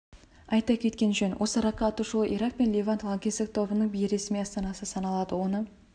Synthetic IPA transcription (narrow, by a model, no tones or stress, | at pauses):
ɑjt̪ɑkʲʰe̞t̪kʲe̞nʒɵnwʔosəɾɑqːɑːt̪uʃəlˠəʔiɾɑq̚pe̞nlʲevant̪lˠɑŋɡʲezd̪ɪk̚t̪ʰo̞bənəɴbijɪɾe̞smijɑst̪ɑnɑsəsɑnɑlˠɑd̪əwo̞nə